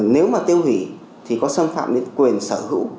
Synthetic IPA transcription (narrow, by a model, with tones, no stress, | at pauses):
ne˨˦wmaː˨˩t̪i˧əwhḭ˧˩˨ | t̪ʰi˨˩kɔ˨˦sə˧mfa̰ː˧˨mɗe˨˦nkwi˨˩ənsəː˧˩hɨ̰˧˥w